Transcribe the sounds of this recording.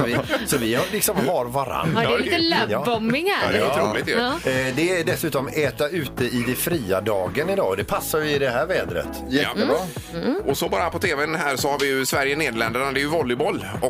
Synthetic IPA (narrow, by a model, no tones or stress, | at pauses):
ɔvɪsɔvɪlɪksɔmɦaɾvaɾa̰nːilɛjɑːbɔmːɪŋæɛɾulɪt̪d̪ɛæɖɛsʉ̟ːt̪ɔmɛːt̪aʉ̟ːt̪̚əɪd̪ɛfɾiːad̪ɑːɡənɪd̪ɑ̰ːɔd̪ɛpʰasːaɾjɪd̪ɛɦæːɾvɛːd̪ɾə̰t̪ | jɛa̰ | ɔsɔbɑːɾapɔt̪ʰeːvɛnɦæːɾsɔhaɾvɪjɵsvæɾjəneːd̪lɛnd̪əɳad̪ɛːjɵvɔlːɪbɔlːɔ